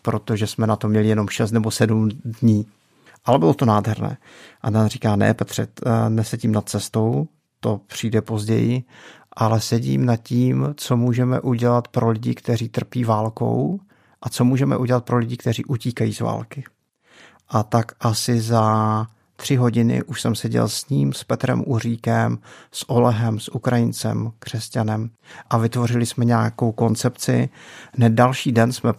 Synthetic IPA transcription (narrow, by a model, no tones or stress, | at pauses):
pɾo̞t̪o̞ʒɛsmɛnat̪o̞mːɲɛlɪjɛnomʃɛst̪nɛbo̞sɛdumdɲiː | ʔalɛbɪlot̪o̞naːdɦɛɾnɛ̰ː | ʔadanriːkaːnɛ̰pɛt̪r̥ɛ̰t̪nɛsɛɟimnat̪̚t͡sɛst̪o̞w | t̪o̞pr̥iːdɛpo̞zɟɛ̰jɪʔalɛsɛɟḭːmnat̪ciːmt͡so̞muːʒɛmɛ̰ʔuɟɛlat̪pɾʔo̞lɪɟɪ̰kt̪ɛriːt̪r̩piːvaːlko̞̰w | ʔat͡so̞muːʒɛmɛ̰ʔuɟɛlat̪̚pɾo̞lɪɟɪkt̪ɛrḭːʔuciːkajḭːzva̰ːlkɪ | ʔat̪akʔasɪza | t̪r̝̥ɪɦo̞ɟɪnɪ̰ʔuʃsɛmsɛɟɛ̰lsɲiːmspɛt̪ɾɛ̰mʔuriːkɛmsʔo̞lɛɦɛmsʔukɾajɪnt͡sɛ̰mkr̝̥ɛscanɛm | ʔavɪt̪vo̞rɪlɪsmɛɲaːko̞wko̞nt͡sɛpt͡sɪ̰nɛdalʃiːdɛnsmɛ